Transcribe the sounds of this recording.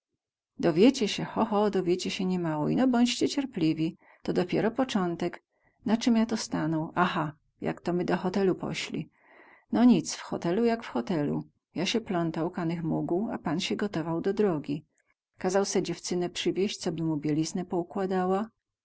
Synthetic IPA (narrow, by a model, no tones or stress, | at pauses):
d̪ɔvʲjet͡ɕɛɕɛxɔxɔd̪ɔvʲjet͡ɕɛɕɛɲɛmawɔḭnɔbɔɲt͡ɕt͡ɕɛt͡ɕɛɾplʲivʲi | t̪ɔd̪ɔpʲjɛɾɔpɔt͡ʂɔnt̪ɛk | nat͡ʂɘmjat̪ɔst̪anɔwaxa | ja̰kt̪ɔmɘd̪ɔxɔt̪ɛlupɔ̰ɕlʲḭ | nɔɲit̪sfxɔ̰t̪ɛlujakfxɔt̪ɛlṵ | jaɕɛplɔnt̪awkanɘxmuɡua̰panɕɛɡɔt̪ɔvawd̪ɔd̪ɾɔɡʲi | kazawsɛd͡ʑɛft͡ʂɘnɛpʂɘvʲjeɕt͡ɕt̪sɔbɘmubʲjɛlʲiznɛpɔukwad̪awa